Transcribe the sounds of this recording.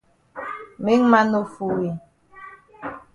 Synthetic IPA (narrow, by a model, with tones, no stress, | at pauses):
mi˦ŋma˦no˦˨fu˨wi˨